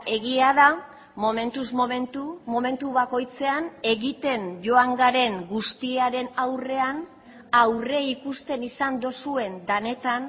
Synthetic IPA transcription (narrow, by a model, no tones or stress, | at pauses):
e̞ɣiaða | mo̞me̞nt̪uzmoment̪umo̞me̞nt̪uβako̞jt͡se̞ane̞ɣit̪e̞nʝo̞aŋɡaɾe̞ŋɡust̪iaɾe̞nawre̞an | awre̞ikust̪e̞nisand̪o̞sue̞nd̪ane̞t̪an